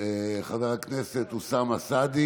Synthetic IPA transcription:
eχaveʁaknese̞t̪usamasad̪i

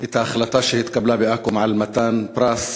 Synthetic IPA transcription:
ʔɪt̪axalat̪aːʃɪhɪd̪kablaːbiʔakʊmaʕalmat̪aːnpɾaːs

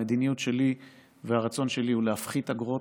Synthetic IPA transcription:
ed̪inijutʃe̞li | veaʁat͡so̞nʃe̞liulehafχit̪aɡʁo̞

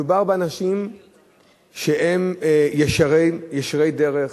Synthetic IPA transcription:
ubaʁbeanaʃim | ʃeʔemjeʃaʁejjeʃʁejdeʁeχ

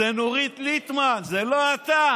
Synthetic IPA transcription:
enoʁit̪lit̪manzeloat̪a

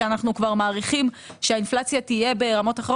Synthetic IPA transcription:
anaχnukvaʁmaːʁiχim | ʃeainflat͡sjatije̞be̞ʁamo̞taχe

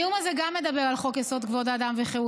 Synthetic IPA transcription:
umazeɡamːed̪abeʁalχo̞keso̞t̪ɡvo̞dad̪amveχeu

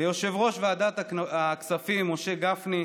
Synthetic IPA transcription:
ejo̞ʃe̞vʁo̞ʃvead̪at̪aaksafimːo̞ʃe̞ɡafni

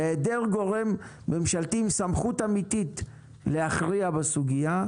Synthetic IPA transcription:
edeʁɡo̞ʁe̞mː | e̞mʃalt̪imsamχut̪amit̪it | le̞aχʁiabesuɡija

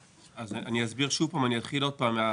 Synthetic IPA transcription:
azaniazbiʁʃuvpaːmanijat̪χilo̞d̪̚paːmːea

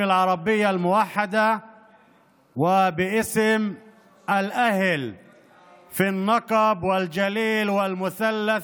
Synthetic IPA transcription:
ɪlʕɑɾˤɑbɪjːalmʊwaħːad̪a | wɪbɪʔɪsm | ʔalʔahl | finːɑqɑbwɪld͡ʒaliːlwɪlmʊθalːaθ

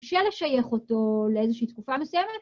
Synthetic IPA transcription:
ʃeleʃajeχoto̞leezeʃiːt̪kufamesujɛmet̪

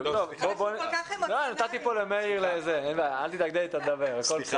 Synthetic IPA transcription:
t̪ovbobonlonat̪at̪ipolemeiʁlezenvaalt̪it̪ak̚d̪elet̪ad̪aveʁekolpsa

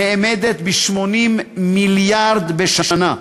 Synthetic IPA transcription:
eʔmed̪et̪biʃmonimːiljaʁd̪beʃaʃana

